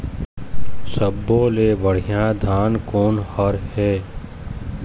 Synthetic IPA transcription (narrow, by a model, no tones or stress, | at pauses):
səbːoːleːbəɽ̤ijãd̪ʱaːnkoːnhəɾɦɛː